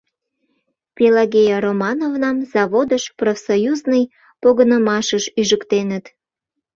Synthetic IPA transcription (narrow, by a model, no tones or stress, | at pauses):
pʲelɑɣʲejɑromɑnovnɑmz̥ɑβod̪əʃprofsojuznəj | poɣənəmɑʃəʃyʒəkt̪enət̪